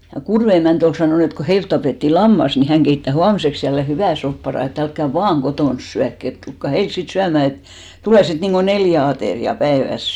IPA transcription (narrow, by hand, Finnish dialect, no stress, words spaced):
jɑ kurʋe emæˑnt ol sɑnoˑn et ko heilt tɑpeˑtːi lɑmːɑs ni hæŋ ɡ̊eitːæ huɑmĭseks jælːe hyʋæˑ sopːɑrɑˑ et ælkːæ ʋɑːŋ ɡ̊otoˑns syækː et tulkːɑ heils sit syæmæˑ et tuleˑ sit niŋɡ̊o neljæ ɑteˑriɑ pæeʋæs